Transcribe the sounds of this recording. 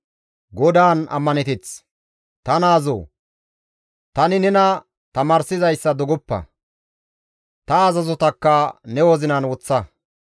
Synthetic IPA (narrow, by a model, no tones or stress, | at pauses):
ɡɔd̪aːnɐ̰mːɐnɪt̪ɪt͡s | t̪ɐnaːzo̰ː | t̪ɐnɪnɛnɐ | t̪ɐmaːɾsɪzɐjsːɐd̪ɔɡɔpːɐ̰ | t̪ɐːzɐzɔt̪ɐkːɐnɛwɔzɪnɐnwɔt͡sːɐ